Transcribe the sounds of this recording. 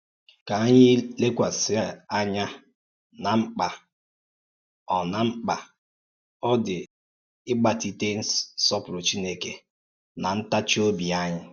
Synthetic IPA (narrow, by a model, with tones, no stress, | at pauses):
ka˨a˦ɲɪ˦le˦kʷa˨sɪ˦a˦a˦ɲa˦ | na˨ŋ͡m̩˦k͡pa˨ | ɔ˨na˨ŋ͡m̩˦k͡pa˨ | ɔ˦dɪ˨ | ɪ˦ɡ͡ba˨ti˦te˦n̩˦ssɔ˦pɾo˨t͡ʃi˦ne˦ke˨ | na˨n̩˦ta˦t͡ʃi˦o˦bi˨a˦ɲɪ˦